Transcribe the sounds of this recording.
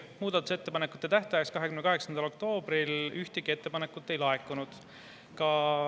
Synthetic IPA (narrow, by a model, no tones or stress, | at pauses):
muːd̪̥ɑt̪ːˑuse̞t̪ːe̞pɑnekːut̪ːˑet̪æht̪ɑjekskɑɦe̞kymnekɑɦeksɑnd̪ɑlo̞k̚t̪o̞ːbɾilyht̪iɡ̥ie̞t̪ːe̞pɑne̞kːˑut̪ːˑe̞jlɑe̞kːˑunud̪̥ | kɑ